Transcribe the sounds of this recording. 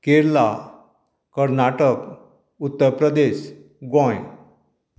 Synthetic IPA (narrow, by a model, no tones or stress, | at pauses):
keɾla | kəɾnaʈək | ut̪ːəɾpɾəd̪eɕ | ɡɔ̃j